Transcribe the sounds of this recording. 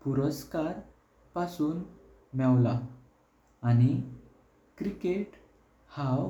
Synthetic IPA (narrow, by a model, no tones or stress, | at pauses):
puɾəskaɾ | pasuːn | mɛwla | añi | kɾikeʈ | haw